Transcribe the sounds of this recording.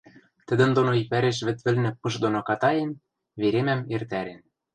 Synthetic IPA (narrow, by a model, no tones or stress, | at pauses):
t̪ɘ̆d̪ɘ̆nd̪onoipæɾeʃ̬βɘ̆t̪βɘ̆lnɘ̆pɤʃd̪onokɑt̪ɑjen | βeɾemæmert̪æɾen